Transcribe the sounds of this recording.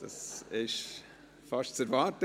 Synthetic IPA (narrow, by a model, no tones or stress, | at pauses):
d̥ɑ̰sɪʃ | fɑʃtt͡sɛɾvɑːɾtə